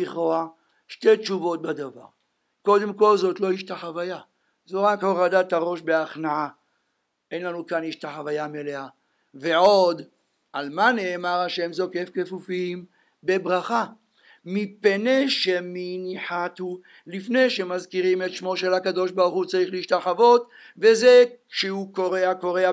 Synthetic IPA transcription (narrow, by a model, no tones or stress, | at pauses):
iχoa | ʃt̪e̞t͡ʃuvo̞t̪̚bad̪ava̰ʁ | ko̞d̪e̞mko̞lzo̞t̪lo̞iʃtaχavaja | zoʁakhoʁad̪at̪aʁo̞ʃbe̞aχnaʕa | e̞nlanukaniʃt̪aχavajameleha | veʕo̞d̪ | almane̞ːmaʁhaʃe̞mzo̞kefke̞fufim | be̞bʁaχa | mipeneʃeminiħat̪u | lifne̞jʃe̞mazkiʁime̞t̪ʃmo̞ʃelhakad̪o̞ʃbaʁuχut͡saʁiχleiʃt̪aχavo̞t̪ | vezekʃeukoʁeako̞ʁea